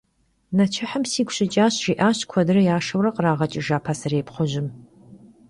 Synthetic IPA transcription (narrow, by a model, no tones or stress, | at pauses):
nɐt͡ʃʰɪħəmsiːɡʷɕʼɪt͡ʃʼaːɕʒiːʔaːɕkʷʰɔdɨrɐjaːʂɐwɾɐqʼəraːʁɐt͡ʃʼɪʒaːpʰaːsɐreːpχʷʊʑɪm